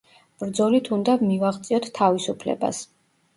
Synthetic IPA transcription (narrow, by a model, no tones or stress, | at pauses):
b̥ɾd̪zɔlit̪ʰund̪avmivaʁt̪sʼiɔt̪ʰt̪ʰːavisupʰlɛ̰ba̰s